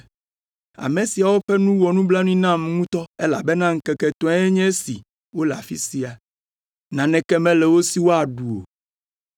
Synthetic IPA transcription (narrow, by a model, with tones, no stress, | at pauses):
a̰˨mẽ˨si˨a˨wo˦ɸɛ˦nũ˦wɔ˨nũ˦bla˦nũ˦ĩ˦nã˦mŋũ˦t̪ɔ˦e˦la̰˨be˦nã˦ŋ̩˦kɛ˨kɛ˨t̪ɔ̃˦ɛ˦ɲɛ̃˦si˨ | wo˦la˨fḭ˦si˨a˨ | nã˨nɛ̃˨kɛ˦mɛ̃˦lɛ˨wo˦si˦wo˦a˨ɖu˨o̰˨